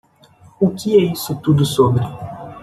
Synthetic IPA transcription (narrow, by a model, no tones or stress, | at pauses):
ʊkɪɛisʊt̪ud̪ʊsobɾɪ